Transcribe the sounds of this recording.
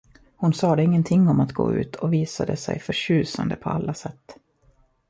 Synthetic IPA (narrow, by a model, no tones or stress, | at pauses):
hʊnsɑːd̪ɛɪŋːənt̪ʰɪŋːɔmat̪ɡo̰ːʉ̟ːt̪ʰɔviːsad̪əsɛ̰jfœɾʂʉ̟ːsand̪əpʰɔalːasɛt̪ː